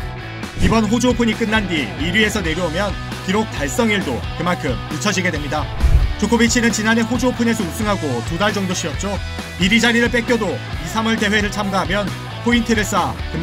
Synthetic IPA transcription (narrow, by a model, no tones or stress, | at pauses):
ibʌnɸod͡ʑopʰuɲik͈ɯnːandiiɾie̞sʰʌne̞ɾjoomjʌn | kiɾok̚t͈aɭs͈ʌŋiɭdokɯmankʰɯmit͡ɕʰʌd͡ʑiɡe̞dwe̞mɲidat͡ɕok͈ʰobit͡ɕʰinɯnt͡ɕinane̞ɸod͡ʑopʰune̞sʰʌusʰɯŋɦaɡotudaɭd͡ʑʌŋdoɕʰiʌt̚t͡ɕ͈o | iɾid͡ʑaɾiɾɯɭp͈e̞k͈jʌdoisʰamʌɭte̞we̞ɾɯɭt͡ɕʰamɡaɦamjʌn | pʰointʰɯɾɯs͈akɯm